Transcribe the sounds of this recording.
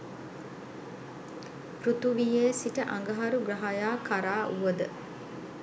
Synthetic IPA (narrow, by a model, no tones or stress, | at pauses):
pɾut̪uʋijeːsiʈəʔɐŋɡɐɦɐɾuɡɾɐɦajaːkʰaɾaːʔuʋəd̪ə